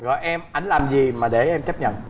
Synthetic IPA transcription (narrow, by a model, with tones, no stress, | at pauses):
ɣɔ̰˧˨jʔɛ˧mʔa˧˩jŋ̟laː˨˩mzi˨˩maː˨˩ɗe˧˩ʔɛ˧mt͡ɕə˦˥p̚ɲə̰˧˨n